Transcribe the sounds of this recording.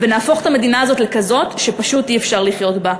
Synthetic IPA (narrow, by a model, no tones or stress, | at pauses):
ve̞naːfo̞χetamedinaːzo̞tle̞kazo̞tʃe̞paʃutiefʃaʁliχjo̞tba